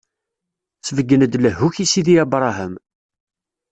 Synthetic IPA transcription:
t͡sːəvəɡːənəd̪ləɦːuçisiðiæbɾˤɑɦəm

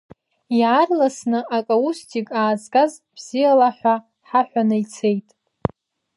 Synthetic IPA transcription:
jaːrlasnɨʔakʼaustʰikʼaːzkʼazb̥z̥ijalaħᶣʷa | ħaħʷᶣanɨjt͡sʰe̞jtʼ

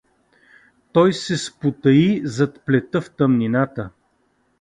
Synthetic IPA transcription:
t̪ɔjsɛspʊt̪ɐizɐt̪plɛt̪əft̪əmninat̪ə

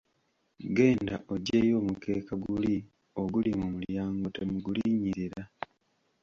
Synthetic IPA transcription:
ɡe̞ːndaʔo̞ɟe̞ːjo̞ːmukʰe̞ːkaɡuli | o̞ɡulimomuljaːŋɡotemuɡuliːɲiɾiɾa

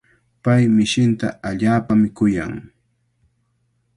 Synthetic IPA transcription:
pajmɪʃɪnt̪a̰aʎaːpamɪkʊja̰ŋ

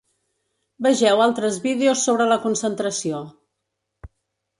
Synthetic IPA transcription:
bəʒɛwalˠt̪ɾəzβiðeosːoβ̞ɾələkunsənt̪ɾəsio

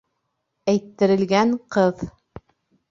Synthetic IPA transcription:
æjt̪ːɘ̆ɾɘ̆lɡæŋqɤð

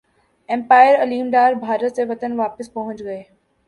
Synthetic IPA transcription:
ɛ̃mpaːɪəɾɐliːmɖ̪aːɾbʱaːɾət̪seʋɐt̪ənʋaːpəspɐɦʊ̃nt͡ʃɡɐeː

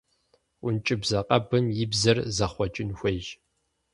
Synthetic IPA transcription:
ʊnt͡ʃʼɪbzɐqʼɐbɨmjɪbzɐrzɐχʷɔt͡ʃʼɪnxʷeʒ

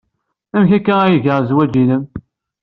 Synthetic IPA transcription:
æmçækːææjəʝəʁzwæd͡ʒiləm

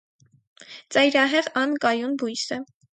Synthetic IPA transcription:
t͡sɑjɾɑɦɛʁɑnkɑjunbujsə

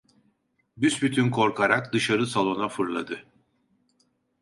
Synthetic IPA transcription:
bysbyt̪ʰynkʰo̞ɾkʰaɾakd̪ɯʃaɾɯsalˠo̞nafɯɾlˠa̰d̪ɯ

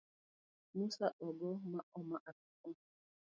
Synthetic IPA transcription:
musaɗɔɡɔmaɔmaʔatukʊ

